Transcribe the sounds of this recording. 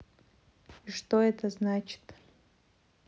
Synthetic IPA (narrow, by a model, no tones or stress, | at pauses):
ʂt̪oɛt̪ʰəznat͡ʃʰɪ̥t̪ʰʼ